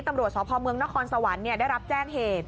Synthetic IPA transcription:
t̪a˧mɾu˨˩ət̪̚sɔː˨˦˥pʰɔː˧mɯ˧əŋna˦˥kʰɔː˧nsa˧wa˩˦nːi˥˩əda˥˩jɾa˦˥p̚t͡ɕɛː˥˩ŋheː˨˩t̪̚

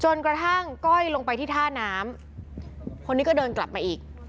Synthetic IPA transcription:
t͡ɕo˧nkɾa˧t̪ʰa˥˩ŋkɔ˥˩jlo˧ŋpa˧jt̪ʰiː˥˩t̪ʰaː˥˩naː˦˥m | kʰo˧nːi˦˥kɔː˥˩dɤː˧nkla˨˩p̚maː˧ʔiː˨˩k̚

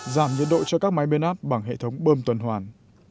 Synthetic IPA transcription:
zaː˧˩mɲɨ̰˧˨ənɗo̰˧˨t͡ɕɔ˧kaː˦˥k̚ma˨˦jɓe˧nʔaː˦˥p̚ɓa˧˩ŋɦḛ˧˨t̪ʰə˨˦wŋ͡mɓəː˧mt̪wə˨˩nhwaː˨˩n

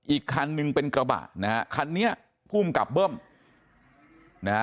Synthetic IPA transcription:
ʔiː˨˩kʰːa˧nːɯ˧ŋpe˧nkɾa˧ba̰ː˨˩t̚na˦kʰa˧nːi˦˥ɐʔ | pʰuː˥˩mka̰˨˩p̚bɤː˥˩m | na˦˥

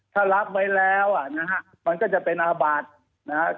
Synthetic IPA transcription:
t̪ʰaː˥˩ɾa˦˥p̚ma˦˥jlɛː˦˥wʔa˨˩na˦˥ka˦˥ | ma˧nkɔː˥˩t͡ɕa˨˩pe˧nʔaː˧ba˨˩t̪̚ | na˦˥a˦˥

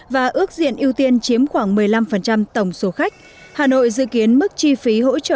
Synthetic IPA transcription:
vaː˨˩ʔɨ˦˥ək̚zḭ˧˨ənʔi˧əwt̪i˧ənt͡ɕi˨˦əmxwaː˧˩ŋmɨ˨˩əjla˧mfə˨˩nt͡ɕa˧mt̪ə˧˩wŋ͡mso˨˦xa˦˥jk̟̚ | haː˨˩no̰˧˨jzɨ̰˧˨ki˨˦ənmɨ˦˥k̚t͡ɕi˧fi˨˦ɦo̰˧˥t͡ɕə̰ː˧˨

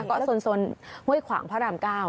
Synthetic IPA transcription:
kɔ˦˥˩so˧nso˧nhu˥˩əjkʰwa̰ː˩˦ŋpʰaː˦˥ɾaː˧mkaː˥˩w

